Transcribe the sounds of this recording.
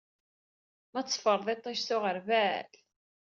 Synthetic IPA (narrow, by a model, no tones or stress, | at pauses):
mæt͡sːfəɾˤðˤet̪ˤːæʃθʊʁəɾvæl